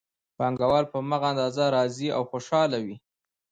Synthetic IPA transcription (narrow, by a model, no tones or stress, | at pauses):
pɑŋɡawɑlpəmaɣaːnd̪ɑzaɾɑzia̰wxoʃɑlawi